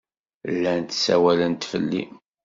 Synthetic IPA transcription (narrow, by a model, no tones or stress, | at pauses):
lːænt̪sæwælənt̪fəlːḭ